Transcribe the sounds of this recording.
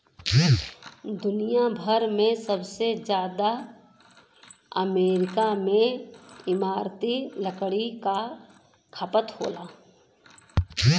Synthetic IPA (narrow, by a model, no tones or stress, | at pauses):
d̪ʊnijabʱəɾmẽsəbsed͡ʒjaːd̪a | əmeːɾɪkamẽɪmaːɾt̪iləkɽika | kʰəpət̪ho̰ːlaː